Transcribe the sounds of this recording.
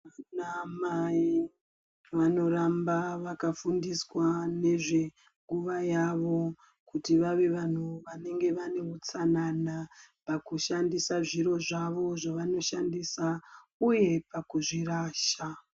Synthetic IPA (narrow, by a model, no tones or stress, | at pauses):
anamai | ʋano̞ɾambaʋakafundiswane̞ʐe̞ | ŋɡuʋajaʋo̞ | kutiʋaʋeʋan̤uʋane̞ŋɡe̞ʋane̞ut͡sanana | pakuʃandisaʐiɾo̞ʐaʋo̞ʐaʋano̞ʃandisa | uje̞pakuʐiraːʃa